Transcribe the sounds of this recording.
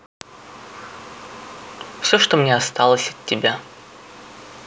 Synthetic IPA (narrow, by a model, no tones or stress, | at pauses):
fsʲoʂt̪omnʲeast̪alˠəsʲɐt̪ʲːɪbʲa